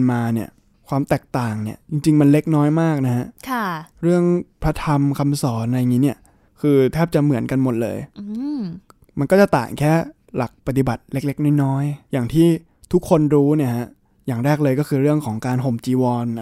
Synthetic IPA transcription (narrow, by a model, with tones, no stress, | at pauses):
maː˧ni˥˩ɐ | kʰwaː˧mt̪ɛː˨˩k̚t̪aː˨˩ŋni˥˩ɐt͡ɕi˧ŋt͡ɕi˧ŋma˧nle˦˥k̚nɔː˦˥jmaː˥˩k̚na˦˥ha˦˥ʔkʰɾɯ˥˩əŋpʰɾa˦˥t̪ʰa˧mkʰa˧msɔː˩˦nʔa˧ja˨ŋiː˦˥ni˥˩ɐ | kʰɯː˧t̪ʰɛː˥˩p̚t͡ɕa˨˩mɯ˨˩˦ənka˧nmo˨˩t̪̚lɤ̰ː˧j | ma˧nkɔː˥˩t͡ɕa˨˩t̪a̰ː˨˩ŋkʰɛː˥˩ | la˨˩k̚pa˧t̪̬i˨˩ba˨˩t̪̚le˦˥k̚le˦˥k̚nɔ˥˩jnɔː˦˥jjaː˨˩ŋt̪ʰiː˥˩ | t̪ʰu˦˥kʰːo˧nɾuː˦˥ni˥˩ɐha˦˥ʔ | jaː˨˩ŋɾɛː˥˩k̚lɤː˧jkɔː˥˩kʰɯː˧ɾɯ˥˩əŋkʰɔː˩˦ŋkaː˧nɦo˨˩mt͡ɕiː˧wɔː˧n˦